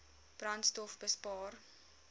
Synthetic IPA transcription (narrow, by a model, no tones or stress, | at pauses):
b̥rɐntstɔfbəspɑːr